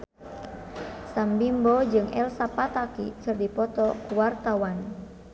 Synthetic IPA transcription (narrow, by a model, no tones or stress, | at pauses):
sambimbɔd͡ʒɨŋɛ̰lsapat̪akikɨrdipɔt̪ɔkuwart̪awan